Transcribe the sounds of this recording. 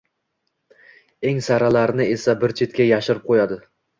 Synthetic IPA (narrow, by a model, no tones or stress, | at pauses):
e̞ŋsaɾalaɾɪnɪesabɪɾt͡ʃʰe̞t̪kʲajaʃɪɾɪp̚qʰojad̪ɪ